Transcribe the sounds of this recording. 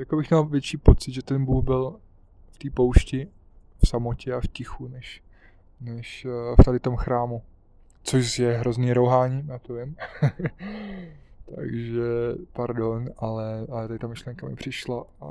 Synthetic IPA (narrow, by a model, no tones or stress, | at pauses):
jakobɪxɲalvjɛt͡ʃiːpot͡sɪd̪ʒɛt̪ɛnbuːɣbɪl | ft̪iːpo̞wʃcɪ | fsamocɛafcɪxunɛʃ | nɛʃft̪adɪt̪o̞mxɾaːmu | t͡soʃjɛɦɾo̞zniːɾowɦaːɲijaːt̪ovɪm | t̪a̰ɡʒɛpaɾdonʔalɛʔalɛt̪adɪt̪amɪʃlɛŋkamɪ̰pr̝̥ɪʃlaa